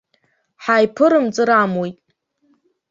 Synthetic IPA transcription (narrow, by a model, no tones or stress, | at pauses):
ħajpʰɨɾɨmt͡sʼɨɾamwojtʼ